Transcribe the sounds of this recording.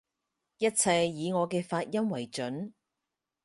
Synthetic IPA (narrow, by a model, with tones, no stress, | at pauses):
jɐ˥t̚t͡sʰɐ˧jːiː˨˧ŋɔː˨˧kɛː˧faː˧t̚jɐ˥mwɐ˨˩jt͡ʃɵ˨˥n